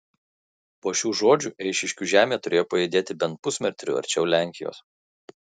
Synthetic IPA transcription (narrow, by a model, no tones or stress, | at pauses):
poːʃʲuːʒoːd͡ʒʲuˑʔɛɪʃʲɪʃʲkʲuːʒʲæːmʲeːt̪ʊɾʲeːjoːpɐid̪ʲeːt̪ʲɪbʲɛnt̪̚pʊsʲmʲɛɾʲt̪ʲɾʲṵɐ̰ɾʲt͡ʃʲɛʊlʲæˑŋʲkʲɪjo̰ːs